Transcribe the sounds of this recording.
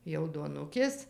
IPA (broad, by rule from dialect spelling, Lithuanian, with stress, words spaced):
jɛʊ duɔˈnʊkʲeːs